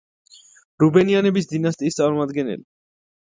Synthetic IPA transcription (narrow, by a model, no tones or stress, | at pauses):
ɾubɛnianɛbisd̪inast̪ʼiːst̪sʼaɾumad̪ɡɛnɛ̰li